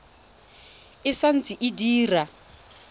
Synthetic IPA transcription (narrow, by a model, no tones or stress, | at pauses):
ɪsan̩t͡sʼiʔidiːra